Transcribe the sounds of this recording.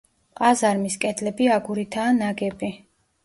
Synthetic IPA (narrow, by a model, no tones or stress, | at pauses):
qʼazaɾmiskʼɛd̪lɛbiaɡuɾit̪ʰaːnaɡɛbi